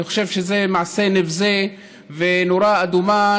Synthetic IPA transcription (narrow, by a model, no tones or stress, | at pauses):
ixoʃevʃezemaʕsenevze | venoɾaad̪uma